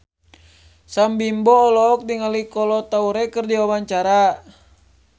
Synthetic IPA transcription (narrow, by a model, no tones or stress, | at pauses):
sambimbɔːlɔːk̚diŋalikɔlɔt̪auɾɛkɨrdiwawaɲt͡ʃaɾa